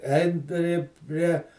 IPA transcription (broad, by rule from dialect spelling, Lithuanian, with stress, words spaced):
ˈɛɪn ˈpʲrʲɪ ˈpʲrʲiɛ